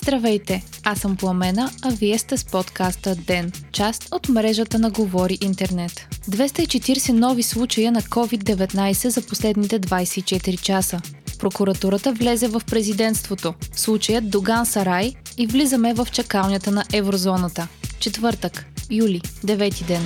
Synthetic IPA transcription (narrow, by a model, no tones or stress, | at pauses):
z̥d̪ɾɐvɛjt̪ɛasəmpɐmɛnəɐviɛst̪ɛspɔt̪kast̪əd̪ɛnt͡ʃast̪ot̪mɾɛʒət̪ənɐɡovɔɾiʔint̪ɛɾnɛt̪d̪vɛst̪əit͡ʃɛt̪iɾsɛnɔvislˠut͡ʃəjənɐkɔvid̪ːɛvɛt̪najsɛzɐposlɛd̪nit̪ɛd̪vajsɛit͡ʃɛt̪iɾit͡ʃasəpɾokuɾɐt̪uɾət̪əvlɛzɛvəfpɾɛzid̪ɛnst̪vot̪oslˠut͡ʃəjət̪d̪oɡansɐɾajivlizəmɛvɐft͡ʃɐkalˠnʲət̪ənɐʔɛvɾozɔnət̪ət͡ʃɛt̪vɤɾt̪əkjulʲid̪ɛvɛt̪id̪ɛn